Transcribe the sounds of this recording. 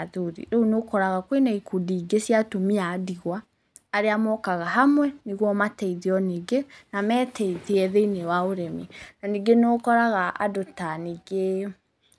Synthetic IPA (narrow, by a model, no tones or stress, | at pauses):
ðuɾḭɾɛunokɔɾaɣakwenaikʰudiːɡesiatomiadiɣwaː | ɾeamɔkaɣaɦamwɛniɣwɔmatɛiðiɔniɡenamɛːtʰɛiðiɛðeinewaoɾɛminaniɡenokɔɾaɣaa̰dotaniɡe